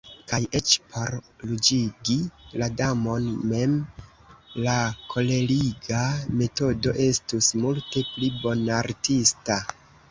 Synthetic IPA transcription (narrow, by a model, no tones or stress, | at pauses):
kajʔe̞t͡ʃpʰo̞ɾ | lud͡ʒiɡiladamo̞nme̞m | lakʰo̞le̞liɡame̞to̞do̞ʔe̞stusmulte̞plibo̞naɾtista